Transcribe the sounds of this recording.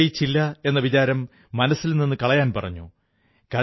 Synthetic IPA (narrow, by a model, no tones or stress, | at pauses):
jit͡ɕːilːɐe̞nːɐʋit͡ɕaːɾɐmː | ɐnɐsːilninːɨkɐɭɐjaːnpɐrɐ̰ɲːu | kɐ